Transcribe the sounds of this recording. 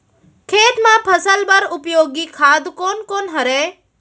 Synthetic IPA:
kʰeːʈmãːpʰəsəlbəɾʊpjoːɡikʰaːd̪koːnkoːnɦəɾeː

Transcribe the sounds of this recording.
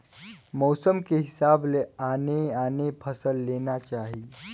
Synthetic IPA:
mɔwsəmkeɦɪsableaːneaːnepʰəsəlːenat͡ʃaːɦiː

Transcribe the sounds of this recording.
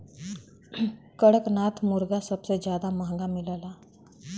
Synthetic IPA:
kəɽəknaːt̪ʰmʊɾɡasəbsed͡ʒjaːd̪aməɦŋɡamɪləːlaː

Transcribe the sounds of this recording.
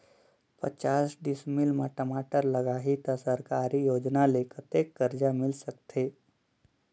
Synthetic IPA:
pə̰t͡ʃaːsɖɪsmɪlmaʈəmaːʈəɾləɡaːɦit̪asəɾkaːɾijoːd͡ʒnalekət̪eːkːəɾd͡ʒamɪlsək̚t̪ʰeː

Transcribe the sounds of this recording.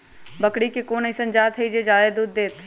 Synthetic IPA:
bɐkɽikekoːnəĩsɐ̃nd͡ʒaːt̪ʰɐid͡ʒed͡ʒaːed̪uːd̪ːeːt̪ʰ

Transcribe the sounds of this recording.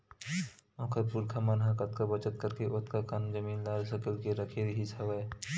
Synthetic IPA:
ɔ̃ːkʰəɾpuɾkʰamɐnɦãkɐt̪kabɐt͡ʃət̪̚kɐɾkeʔʊt̪kakɐnd͡ʒɐmiːnlaːɾsəkəlkeɾɐkʰeɾɦisʰɐʋɐe

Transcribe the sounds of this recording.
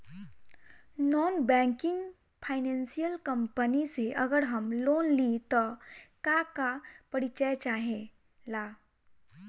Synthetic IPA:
nɔnbɛ̃ŋkiŋɡ | fʰajnensijəlkəmpəniseʔəɡəɽɦəmlonlit̪əkakapəɽit͡ɕəjt͡ɕaɦe | la

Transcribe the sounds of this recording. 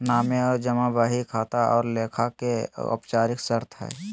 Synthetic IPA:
naːmeɔːɾd͡ʒɐmabaːɦikʰaːt̪aɔ̰ːɾleːkʰakeʊ̰pt͡ʃaːɾɪksəɾt̪ʰɦɛ̰ː

